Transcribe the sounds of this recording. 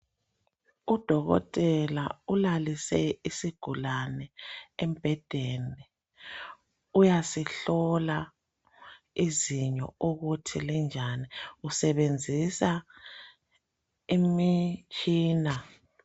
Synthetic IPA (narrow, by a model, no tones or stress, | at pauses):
ud̥ʱɔɣɔ̰tʼɛlaulalisɛisiɡ̥ʱulanɛɛmb̥ʱɛd̥ʱeni | ujasiɬɔla | iziɲɔ̰uɣutʰilind͡ʒʱaniusɛβend͡zʱisa | imit͡ʃʼiːna